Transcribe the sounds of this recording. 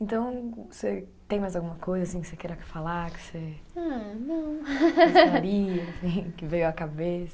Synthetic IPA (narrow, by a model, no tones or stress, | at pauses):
ẽnt̪ɐ̃w̃se | t̪ẽj̃majzawɡũmɐkojzɐasĩkɪ̥sekɛɾɐkfalaɾkɪ̥seanɐ̃w̃ | ɾiɐsĩkɪvejʊɐkabesɐ̥